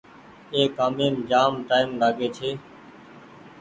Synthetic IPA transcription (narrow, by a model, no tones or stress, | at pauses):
eːkaːmeːmd͡ʒaːmʈaːɪmlaːɡeːt͡ʃʰeː